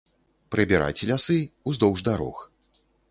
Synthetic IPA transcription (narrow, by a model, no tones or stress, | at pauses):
pɾɨbʲɛɾʔa̰jt͡sʲɛlʲasɨuzd̪ɔwʐd̪aɾɔ̰x